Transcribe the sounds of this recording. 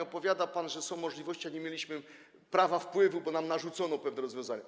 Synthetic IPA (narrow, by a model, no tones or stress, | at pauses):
ɔpɔvʲjad̪apanʐɛsɔ̃w̃mːɔʐlʲivɔɕt͡ɕiaɲɛmʲjelʲiɕmɘ | pɾavafpwɘvubɔnamnaʐut̪sɔnɔpɛvnɛɾɔzvʲjɔ̃w̃zaɲa